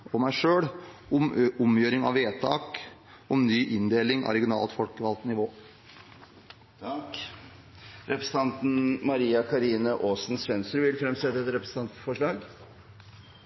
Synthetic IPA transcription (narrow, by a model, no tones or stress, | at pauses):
ɔmæɪʂøːɽ | ʊmʔʊmjøːɾɪŋɑ̰ʋeːt̪ʰɑːk | ɔmnyːʔɪnd̪eːlɪŋɑ̰ɾɛɡɪʊnɑ̰ːlt̪fɔlkəʋɑlt̪nɪʋoː | k | ɾɛpɾəsn̩t̪ɑnt̪n̩mɑɾiːɑkʰɑɾiːnəʔoːsn̩sʋɛnst̪ɾəʋɪlfɾɛmsɛt̪ːəɛt̪ɾɛpɾəsn̩t̪ɑnt̪fɔʂɭɑːɡ